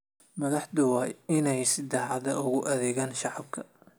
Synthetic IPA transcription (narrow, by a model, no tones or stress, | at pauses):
mɐðɑħd̪ʊwɑːjɪnɛjsɪd̪ɛħɑðɐʔʊɣʊʔɐðɛːɣaːnʃɑʕɑbkʰɐ